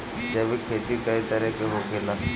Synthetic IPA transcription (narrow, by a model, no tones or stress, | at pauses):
d͡ʒeːbʱikʰeːt̪ikɐit̪ɐɾɛkeɦokelaː